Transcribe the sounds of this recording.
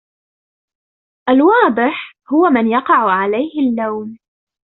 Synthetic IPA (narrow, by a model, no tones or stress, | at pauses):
ʔalwɑːd̪ˤɨħ | hʊwamɪnjɑqɑʕʊʕalajhɪlːawn